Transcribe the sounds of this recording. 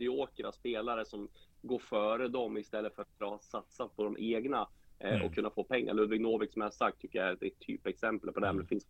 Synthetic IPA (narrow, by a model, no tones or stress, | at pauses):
d̪ɪoːkəɾaspeːlaɾəsɔmɡoːɾfœːɾəd̪ɔmɪst̪ɛlːəfœɾat̪̚bɾɑːhsat̪sat̪̚pʰɔd̪ɔmʔeːɡnaɔ̰kʰːɵnːafoːpʰɛŋːa̰ɾɭɵd̪vɪŋnoːvɪksɔmjahasak̚t̪ʰːʏkːəjaæd̪ɛɛt̪ʰːy̰ːpɛksɛmpəlpʰɔd̪ɛæmɛnɛfɪns